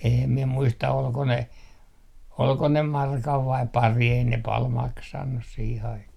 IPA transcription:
eːm miɛ muistɑ olko ne olko ne mɑrkɑʋ ʋɑip pɑri ei ne pɑl mɑksɑnːus siːh ɑikɑh

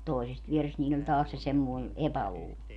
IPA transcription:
toisest ʋierest niːlʲl olʲ tɑːs se semːoi̯ epæluːlo

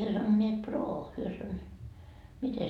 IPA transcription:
hyø sɑnoneːt proː hyø sɑn mite

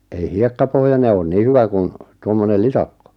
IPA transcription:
ei hiekːɑpohjɑne oːn niː hyʋæ kun tuomːonel litɑkːo

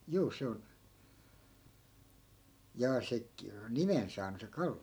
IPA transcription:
juː se on jɑː se k nimen sɑːnu se kɑlːio

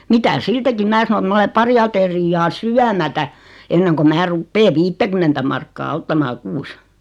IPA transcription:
mitæ siːtækim mæː sɑno et mɑ ole pɑri ɑterijːɑː syæmætæ enːeŋko mæː rupːeː ʋiːtːækymːentæ mɑrkːɑː otːɑmɑː kuːs

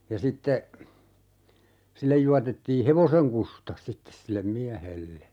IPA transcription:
jɑ sitːe silːej juɑtetːiː heʋoseŋ kustɑ sitːes silːem miæhelːe

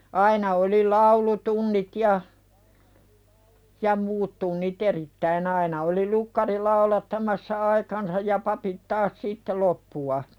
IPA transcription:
ɑinɑ oli lɑulutunːit jɑ jɑ muːt tunːit eritːæin ɑinɑ oli lukːɑri lɑulɑtːɑmɑsːɑ ɑikɑnsɑj jɑ pɑpit tɑːs sitːe lopːuɑ

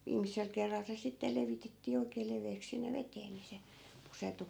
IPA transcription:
ʋiːmisel kerːɑl se sitːe leʋitetːiː oikˑeː leʋeːks sinːe ʋeteː ni se pusertu

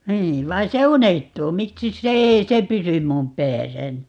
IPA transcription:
niː ʋɑi se unehtuː miksis se ei se pysym mum pæːsæni

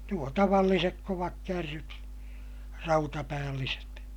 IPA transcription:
nuo tɑʋɑlːisek koʋɑkːærːyt rɑutɑpæːlːiset

